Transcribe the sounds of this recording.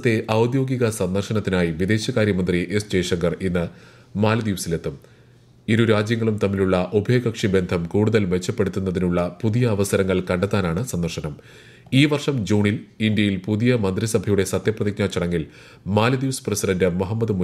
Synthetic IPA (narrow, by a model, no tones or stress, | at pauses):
t̪ːe̞ʔɐwd̪jo̞ːɡiɣɐsɐnd̪ɐrʂɐnɐt̪ːinaːjiʋid̪e̞ːɕɐkaːɾjɐmɐnd̪riʔe̞st͡ɕe̞ːʂɐŋɡɐrinːɨ | maːlɐd̪iʋɐsile̞t̪ːum | iɾuɾaːd͡ʑjɐŋːɐɭumt̪ɐmːiluɭːɐʔobʱɐjɡɐkʂibe̞nd̪ʱɐmkuːɽuðɐlʋe̞t͡ɕːɐpːe̞ɽut̪ːunːɐðinuɭːɐpuðijɐːʋɐsɐɾɐŋːɐɭkɐɳɖɐt̪ːaːnaːɳɨsɐnd̪ɐrʂɐnɐm | iːʋɐrʂɐmd͡ʑuːɳilind̪jɐjilpuðijɐmɐnd̪risɐbʱɐjuɽe̞sɐt̪jɐprɐðik̚ɲaːt͡ɕːɐɽɐŋːil | maːlɐd̪iʋɐsprɐsiɖɐndɨmoɦɐmːɐd̪ɨmu